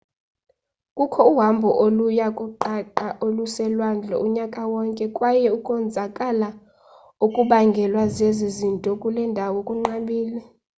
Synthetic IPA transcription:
kʼukʰɔuɦambʱɔʔolujakʼuǃaǃaʔolusɛlwand͡ɮʱɔ̰uɲakʼawɔŋkʼɛkʼwajɛukʼɔnd͡zʱakʼala | ukʼuɓaŋɡʱɛlwazezizintʼɔkʼulɛndʱawɔkʼuŋ͡ǃaɓiːlɛ

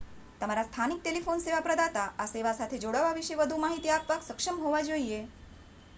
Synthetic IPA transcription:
t̪əmaɾast̪ʰanik̚ʈelifonseʋapɾəd̪at̪aʔaseʋasat̪ʰed͡zoɽəʋaʋiʂeʋəd̪ʱuːmaɦit̪iːapʋaksəkʂəmɦoʋad͡zoije

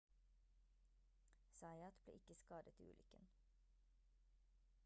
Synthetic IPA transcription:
sɑɪɑt̪blḛːʔɪkəskɑːd̪ət̪iːʉ̰ːlʏkən

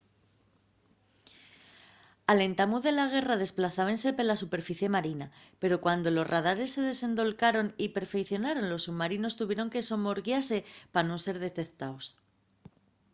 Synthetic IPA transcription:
ale̞nt̪amuðe̞laɣ̞e̞raðe̞splaθaβense̞pelasupe̞ɾfiθje̞maɾinape̞ɾo̞kwand̪o̞lo̞zrað̞aɾe̞sːe̞ðe̞se̞nd̪o̞lkaɾo̞nipe̞ɾfe̞kθjo̞naɾo̞nlo̞sːuβmaɾino̞st̪uβje̞ɾo̞ŋke̞so̞mo̞ɾɣjase̞panonse̞ɾðe̞t̪e̞kt̪aos

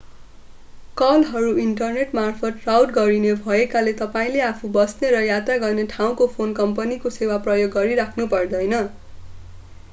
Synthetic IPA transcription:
kʌlɦʌɾuiɳʈʌrneʈmarpʰʌt̪̚rawʈɡʌɾinebʱʌekalet̪ʌpaĩleapʰubʌsneɾʌjat̪raɡʌrneʈʰaw̃kopʰonkʌmpʌnikosewaprʌjoɡːʌɾiɾakʰnupʌrd̪ʌjnʌ

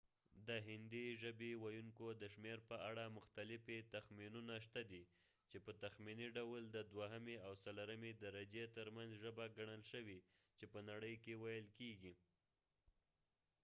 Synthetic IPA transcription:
d̪əɦɪnd̪iʒəbewajuŋkod̪əʃmeɾpəaɽamʊxt̪alɪfet̪axminunaʃt̪ad̪i | t͡ʃepət̪axminiɖawld̪əd̪waɦameawsalaɾəmed̪aɾad͡ʒet̪əɾmanzʒəbaɡaɳ̃əlʃəwi | t͡ʃepənaɽəjkewajəlkeɡi

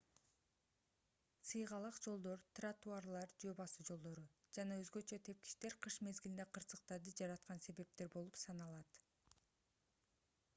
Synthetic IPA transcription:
sɯjʁɑlˠɑqd͡ʒo̞lˠd̪o̞ɾt̪rat̪uarlˠɑɾd͡ʒøbɑsɯd͡ʒo̞lˠd̪o̞ɾud͡ʒɑnɑøzɡø̞t͡ʃøt̪ʰe̞p̚ki̥ʃt̪e̞ɾqʰɯʃme̞zɡʲilind̪eqʰɯɾsɯqt̪ɑɾd̪ɯd͡ʒɑɾɑt̪̚qɑnse̞βe̞p̚t̪e̞ɾbo̞lˠupsɑnɑlˠɑt̪

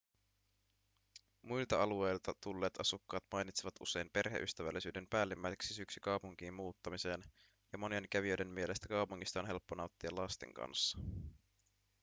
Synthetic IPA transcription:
mujlt̪ɑɑlue̞jlt̪ɑt̪ulːe̞ːt̪ɑsukːɑːt̪mɑjnit̪siʋɑt̪ʔṵse̞jmpe̞rɦḛʔy̰st̪æʋæ̰lːisyːde̞mpæːlːimːæjseksisyksykɑwpuŋk̟iːmmuːt̪ːɑmise̞ːn | jɑmo̞nie̞nk̟æʋiøjde̞mmie̞le̞st̪ækɑupuŋːist̪ɑonɦe̞lpːonɑut̪ːiɑlɑst̪e̞̰ŋkɑ̰nsːɑ̥

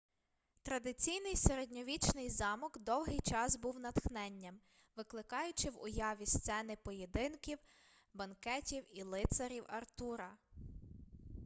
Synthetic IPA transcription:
t̪ɾɐd̪ɪt͡sʲijnɪjseɾedʲnʲɔʋʲit͡ʃnɪjzɑmɔkd̪ɔwɦɪjt͡ʃɑzbuwnɐt̪xnɛnʲːɐm | ʋɪklˠɪkɑjʊt͡ʃɪwʊ̰jɑʋʲist̪sɛnɪpɔjed̪ɪnkʲiw | bɐnkɛtʲiwilˠɪt̪sɐɾʲiwɐrt̪uɾɐ

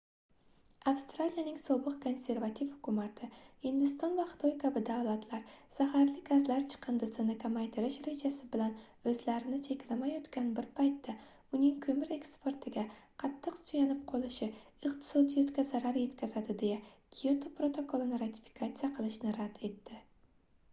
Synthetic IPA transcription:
afst̪ɾalijanɪŋsɒbɨqkʰo̞nsʲe̞ɾvat̪ʰifhʊ̥kʰʲʊmat̪ʰɪhɪnd̪ɪst̪ɒnvaχɨ̥t̪ʰojkʰabɪd̪awlˠat̪ʰlaɾsahaɾlɪɡazlaɾt͡ʃʰɨ̥qʰɨnd̪ɪsɪnɪkʰamajt̪ʰɪɾɪʃɾe̞d͡ʒasɪbɪlan | ɵzlaɾɪnɪt͡ʃʰe̞kʲlamajɒt̪kʲanbɪɾpʰajt̪ʰːa | ʊnɪŋkʲʰɵmɪɾe̞kspe̞ɾt̪ʰɪɡʲaqʰɑt̪ʰːɨqsʊjanɪp̚qʰolˠɪʃɪ | ɨqt̪ʰɪ̥sɒd̪ijot̪kʲazaɾaɾje̞t̪kʲʰazad̪ɪd̪e̞jakʲʰiot̪ʰopɾo̞t̪ʰo̞kʰolˠɨnɪɾat̪ʰi̥fi̥kʰat̪sijaqʰɨlˠɪʃnɪɾad̪̥e̞t̪ːɪ

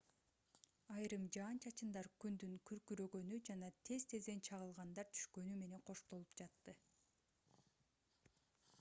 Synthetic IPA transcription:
ɑjɾɯmd͡ʒɑːnt͡ʃʰɑt͡ʃɯnd̪ɑɾkynd̪yŋkyɾkyɾø̞ɡø̞nyd͡ʒɑnɑt̪ʰe̞zt̪ʰe̞zd̪e̞nt͡ʃʰɑʁɯlˠʁɑnd̪ɑɾt̪ʰy̥ʃkø̞nyme̞ne̞ŋqʰo̞ʃt̪o̞lˠupd͡ʒɑt̪ːɯ

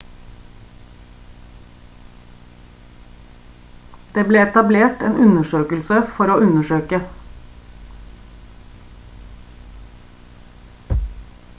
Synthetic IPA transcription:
d̪̥eːbleːɛt̪ɑbleːʈḛːnʔʉnəʃøːkəlsəfɔɾoːʉnəʃøːkə

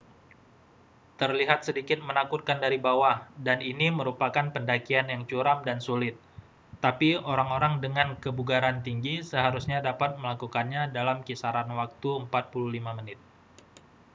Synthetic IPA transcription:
t̪ərliɦat̪̚sədikɪt̪̚mənakut̪̚kandaɾibawahdaniniməɾupakanpəndakianjaŋt͡ʃuɾamdansulɪt̪̚ː | apioɾaŋoɾaŋdəŋankəbuɡaɾant̪iŋɡisəɦaɾusɲadapat̪̚məlakukanɲadalamkisaɾanwak̚t̪uəmpat̪̚puluhlimamənɪt̪̚

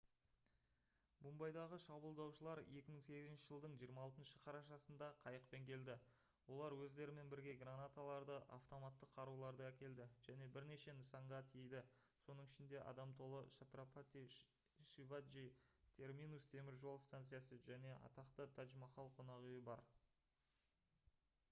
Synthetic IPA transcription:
bumbɑjd̪ɑʁəʃɑbəlˠd̪ɑwʃəlˠɑɾje̞kʲɪməɴŋse̞ɡʲɪzɪnʃɪʒəlˠd̪əɴʒijəɾmɑːlˠt̪ənʃəqʰɑɾɑʃɑsənd̪ɑqʰɑjəqpe̞ŋkʲʰe̞ld̪ɪ | wo̞lˠɑɾwɵzd̪e̞ɾɪme̞nbɪɾɡʲe̞ɡɾanat̪alˠɑɾd̪əʔa̰ft̪o̞mat̪ːəqʰːɑɾulˠɑɾd̪əækʲe̞ld̪ɪʒ̥æne̞bɪɾne̞ʃe̞nəsɑɴʁɑt̪ʰiejd̪ɪ | so̞nəɴɪʃɪnd̪e̞ʔɑ̰d̪ɑmt̪ʰo̞lˠəʃat̪ropat̪i | ʃivaʒit̪ʰe̞rminust̪ʰe̞mɪɾʒo̞lˠst̪ant̪sɨjɑsəʒæne̞ʔɑ̰t̪ɑqt̪ət̪ʰɑʒmɑqɑlˠqʰo̞nɑʁʏjɪbɑɾ

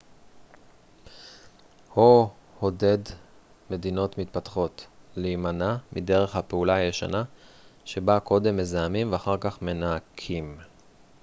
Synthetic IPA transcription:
ho | ho̞de̞d | me̞dino̞tmit̪̚pat̪χo̞tlejmanamide̞ʁe̞χhapeulaajeʃa̰naʃe̞bakʰo̞de̞mːe̞zaamimveaχaʁkaχme̞naːkʰim

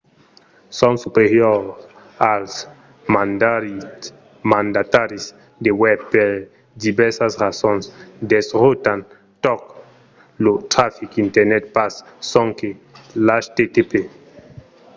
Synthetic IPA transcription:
sɔ̃nsupeɾjo | als | ma | mãnd̪at̪aɾis | d̪ewɛbpeɾ | d̪ibɛɾsasʁasɔ̃nsd̪esʁot̪an | t̪ɔk | lot̪ɾafikint̪ɛɾnɛt̪̚pasː | ɔ̃ŋkelaʃt̪et̪epe

